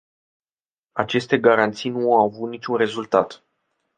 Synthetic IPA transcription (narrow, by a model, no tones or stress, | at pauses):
at͡ʃe̞st̪e̞ɡaɾant̪sijnuawavut̪nit͡ʃʲunɾe̞zult̪at̪